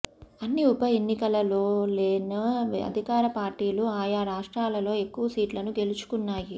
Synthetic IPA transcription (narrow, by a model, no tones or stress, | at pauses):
ɐnːiupɐe̞nːikɐlɐlo̞ːle̞ːnɐɐ̰d̪ʱikaːɾɐpaːɾʈiːluaːjaːɾaːʂʈɾaːlɐlo̞ːe̞kːuʋɐsiːʈlɐnuɡe̞lut͡ʃu̥kunːaːji